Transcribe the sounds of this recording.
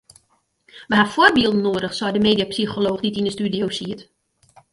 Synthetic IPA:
ʋəɦafɔrbiəlˠdən̩noːdəxswɔjdəmeːdiapsixoloːxditinəstydjowsiət

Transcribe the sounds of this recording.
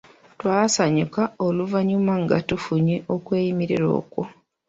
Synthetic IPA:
twaːsaɲukaoluvaɲumaŋɡa̰tufuɲiʔo̞kwe̞ːjimiɾiɾo̞̰ːkwo

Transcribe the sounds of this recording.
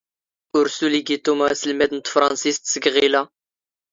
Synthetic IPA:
ʊɾsuliɡit̪umæsəlmæd̪ənt̪fɾˤɑnsist̪səɡʁilæ

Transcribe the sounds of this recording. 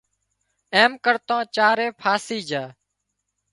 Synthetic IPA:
eːmkəɾt̪ãːt͡ʃaːɾeːpʰaːsiːd͡ʒaː

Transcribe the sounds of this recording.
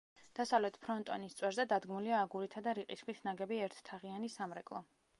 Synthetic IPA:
d̪̥asavlɛt̪ʰpʰɾɔnt̪ʼɔ̰nist̪sʼwɛɾzɛd̪ad̪ɡmuliaːɡuɾit̪ʰad̪aɾiqʼiskʰwisʰnaɡɛbiɛɾt̪ʰt̪ʰaʁianisamɾɛkʼlˠɔ

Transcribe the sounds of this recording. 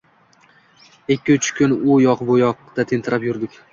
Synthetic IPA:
ekʲːɪʊt͡ʃʰɪ̥kʰʲʊnʊjɒqbojɒqt̪at̪ʰɪnt̪ʰɪɾapjʊɾd̪ɪkʲ

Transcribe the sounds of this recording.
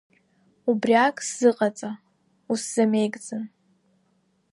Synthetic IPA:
ubriakʼsz̥ɨqʼat͡sʼa | usz̥ame̞jkʼt͡sʼɨn

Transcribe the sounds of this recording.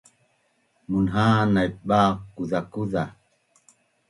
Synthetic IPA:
munɦaːnajɓaːkːuðakuða

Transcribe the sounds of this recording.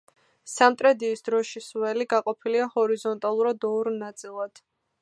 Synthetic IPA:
samt̪ʼɾɛd̪iːsd̪ɾɔʃiswɛliɡaqʼɔpʰiliahɔɾizɔnt̪ʼalˠuɾad̪ɔɾnat̪sʼilˠad̪̥

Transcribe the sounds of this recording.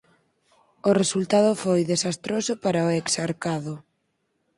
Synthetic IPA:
ʊresult̪að̞ʊfojðesast̪ɾosʊpaɾaoeksaɾkaðʊ

